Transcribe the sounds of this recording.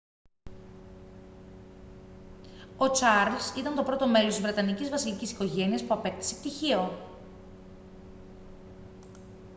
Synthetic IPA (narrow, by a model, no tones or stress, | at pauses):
o̞t͡sɐɾlsit̪ɐnt̪o̞pɾo̞t̪o̞me̞lo̞st̪izvɾe̞t̪ɐnicizvɐsilicisi̥ko̞ʝe̞niɐspuɐpe̞kt̪i̥sept̪içio̞